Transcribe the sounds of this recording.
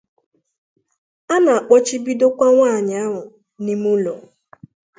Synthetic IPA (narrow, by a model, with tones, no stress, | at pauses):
a˦na˨a˨k͡pɔ˦t͡ʃi˦bi˦do˦kʷa˦ŋʷaː˦˨ɲa˨a˦ɦʊ˨ | ni˦mu˦lɔ˨